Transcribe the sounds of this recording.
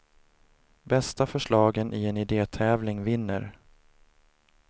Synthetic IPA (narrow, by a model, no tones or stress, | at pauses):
bɛst̪afœʂɭɑːɡənʔɪɛnɪd̪eːt̪ʰɛːvlɪŋvɪnːə̰ɾ